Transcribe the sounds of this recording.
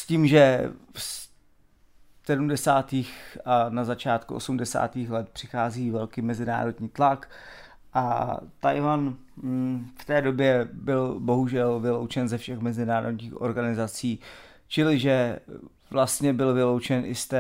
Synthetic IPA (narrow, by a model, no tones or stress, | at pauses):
sciːmʒɛs | sɛdumdɛsaːt̪iːxanazat͡ʃaːt̪kuʔo̰sumdɛsa̰ːt̪iːxlɛt̪̚pr̝̥ɪxaːziːvɛlkiːmɛzɪna̰ːɾo̞dɲiːt̪lak | ʔa̰t̪ajvan | ft̪ɛːdo̞bjɛbɪlbo̞ɦuʒɛlvɪlo̞wt͡ʃɛnzɛfʃɛxmɛzɪnaːɾodɲiːxʔo̞̰ɾɡanɪzat͡siː | t͡ʃɪlɪʒɛ | vlast̪ɲɛbɪlvɪlo̞wt͡ʃɛnʔɪst̪ɛ